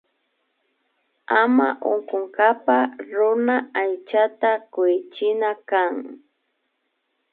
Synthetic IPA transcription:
ama̰ʔo̰ŋkʊŋkapaɾʊnaajt͡ʃat̪akʊjɪt͡ʃɪnakaŋ

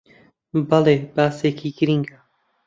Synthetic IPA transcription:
balebaːsekʰiɡɨɾiŋɡa

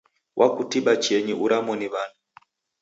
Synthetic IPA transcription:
wʔakutiɓat͡ʃɛɲiuɾamɔniβana

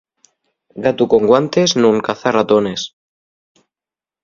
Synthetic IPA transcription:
ɡat̪ukoŋɡwant̪eznuŋkaθarat̪ones

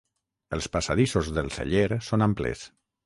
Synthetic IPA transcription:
əlˠspasaðisozðəlˠsə̰ʎeɾsonamplḛs

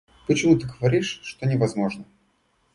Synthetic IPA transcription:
pət͡ɕɪmut̪ɨɡəvɐɾʲiʂːt̪onʲɪvɐzmo̞ʐnə

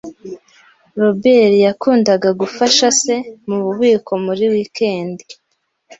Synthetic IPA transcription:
ɾo̞be̞ɾijakuːndaɡaɡufaʃase̞muβuβiːko̞muɾiwikʰe̞ːndi

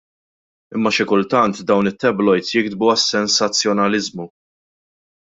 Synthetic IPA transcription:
ɪmːɐʃɪkʊlt̪ɐnt̪d̪ɐwnɪt̪ːɛblɔjt̪sjɪɡd̪buɐsːɛnsɐt͡sːjɔnɐlɪzmu

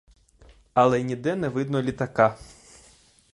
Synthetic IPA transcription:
ɐlˠɛnʲid̪ɛnɛʋɪd̪̚nɔlʲit̪ɐkɑ

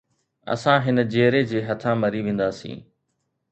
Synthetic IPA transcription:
ɐ̰sãɦɪnə̆d͡ʑeːɾed͡ʑeːɦɐt̪ʰãmɐɾiʋẽːn̆d̪aːsḭ̃ː

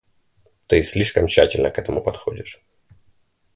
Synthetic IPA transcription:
t̪ɨsʲlʲiʂkəmɕːætʲɪlʲnəkɛt̪əmʊpɐt̪xo̞dʲɪʂ

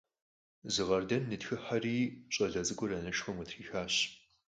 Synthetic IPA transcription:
zɨʁɐrdɐnːɨtxɨħariːɕʼɐɮɐzɨkʷʼʊɾɐnɐʃxɐmʊtʰriːxaːɕ

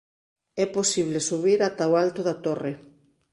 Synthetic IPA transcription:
ɛposiβ̞lesuβiɾat̪aoalt̪oðat̪ore

